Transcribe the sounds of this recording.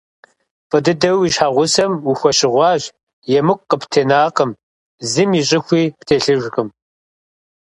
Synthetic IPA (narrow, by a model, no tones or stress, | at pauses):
fʼɐdɨdɐwiɕħaːʁʷʊsɐmuxʷɐɕɪʁʷɑːʒ | jɛmɨkʷʼqːəptʰeːnaːqəm | zɨmiɕʼɪxʷiːptʰeːɬɨʒʷxɨm